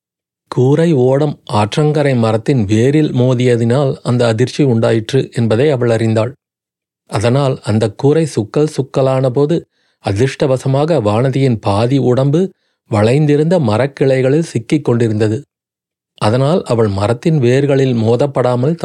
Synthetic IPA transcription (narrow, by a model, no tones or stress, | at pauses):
kuːɾɐɪoːɽɐmʔaːʈrɐŋɡɐɾɐɪmɐɾɐt̪ːɪnʋeːɾɪlmoːðɪjɐðɪnaːlɐnd̪ɐːðɪɾt͡ʃːiʊɳɖaːjɪʈrɯʔɛnbɐðɐɪɐʋɐɭɐrɪnd̪aːɭ | ʔɐðɐnaːlɐnd̪ɐkːuːɾɐɪsʊkːɐlsʊkːɐlaːnɐpoːðɯ | ɐðɪʂʈɐʋɐsɐmaːɣɐʋaːnɐðɪjɪnpaːðiʊɽɐmbɯ | ʋɐɭɐɪnd̪ɪɾɯnd̪ɐmɐɾɐkːɪɭɐɪɣɐɭɪlsɪkːɪkːɔɳɖɪɾɯnd̪ɐðɯ | ʔɐðɐnaːlʔɐʋɐɭmɐɾɐt̪ːɪnʋeːɾɣɐɭɪlmoːðɐpːɐɽaːmɐlt̪